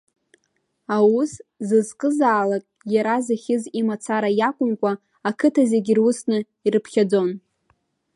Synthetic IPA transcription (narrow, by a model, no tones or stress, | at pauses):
awuszɨzqʼɨzaːlakʼjaɾazaχʲɪzimat͡sʰaɾajakʷʼʊmkʷʼa | akʰɨtʰazeɡʲirʊsnɨ | irɨpʰχʲad͡zo̞n